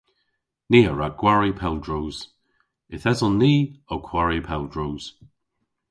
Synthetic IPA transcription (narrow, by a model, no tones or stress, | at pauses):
niːəɹaɡ̥waɹipʰɛlˠdɹuːz̥ | ɪθɛzənːiːokʰw̥aɹipʰɛldɹuːz̥